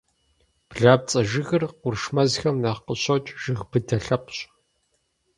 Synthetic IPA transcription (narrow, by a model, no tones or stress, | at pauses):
b̥ɮaːp̚t͡sʼɐʒɪɣɨrqʷʊrʃmɐzxɐmnaːqəɕɐt͡ʃʼʒ̥ɨɣbɨdɐɬɐpʰʼɕʼ